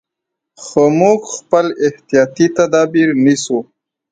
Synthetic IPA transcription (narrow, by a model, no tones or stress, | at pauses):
xomuɡxpəlɪht̪ijɑt̪it̪ad̪ɑbiɾnisu